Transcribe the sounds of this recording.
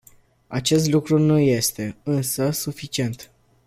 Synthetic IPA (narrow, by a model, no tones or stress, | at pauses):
at͡ʃe̞st̪lukɾunuje̞st̪e̞ɨnsəsufit͡ʃie̞nt̪